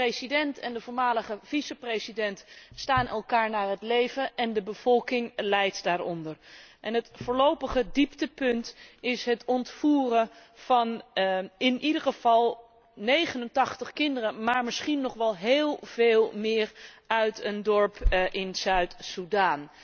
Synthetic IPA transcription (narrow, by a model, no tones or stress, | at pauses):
rejsidɛntɛndəvʊːɹmaːləχəv̥isəprejsidɛntstaːnʔɛlˠkaːɹnaːɹɦətlejvənʔɛndəbəv̥ɔlˠkɪŋlɛjtdaːɹɔ̰ndəɹʔɛnɦətfʊːɹlowpəχədiptəpɵntɪsɦətɔntfuːrənv̥ɑn | ɪnʔidəɹχəv̥ɑlˠ | nejχənəntɑχtəχkɪndərəmaːɹmɪsχinːɔχʋɛlˠɦeːlˠv̥eːlˠmɪːɹœɥtəndɔɹpʔɪnz̥œɥtsudaːn